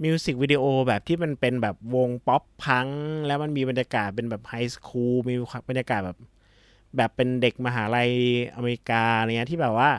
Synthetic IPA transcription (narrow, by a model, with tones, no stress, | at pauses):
mi˧si˨˩k̚wi˦˥di˧ʔoː˧bɛː˨˩p̚t̪ʰiː˥˩ma˧npe˧nbɛː˨˩p̚wo˧ŋpɔ˦˥pʰːa˦˥ŋlɛ˦˥wma˧nmiː˧ba˧njaː˧kaː˨˩t̪̚pe˧nbɛː˨˩p̚ha˧jskʰuː˧miː˧ba˧nja˧kaː˨˩t̪̚bɛː˨˩p̚ | bɛː˨˩pːe˧nde˨˩k̚ma˧ɦaː˩˦ɾa˧jʔa˧maː˧i˦˥kaː˧a˧ɾa˧˩ŋi˦˥t̪ʰiː˥˩bɛː˨˩p̚waː˥˩